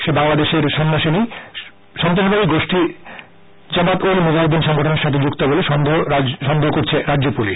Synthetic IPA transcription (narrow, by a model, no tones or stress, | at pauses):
ʃebaŋlad̪eʃeɾʃɔnːoʃini | ʃɔnt̪oʃbabiɡoʃʈi | d͡ʑamat̪olmod͡ʑaod̪inʃɔŋɡʱoʈoneɾʃat̪ʰed͡ʑukt̪oboleʃɔnd̪ʃɔnd̪ʱoɦokoɾt͡ɕʰeɾadːd͡ʑopuliʃ